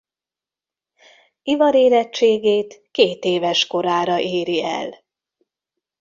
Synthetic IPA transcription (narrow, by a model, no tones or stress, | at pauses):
ivɒɾeːɾɛt͡ʃːeːɡeːt̪keːt̪eːvɛʃko̞ɾaːɾɒʔeːɾiɛ̰l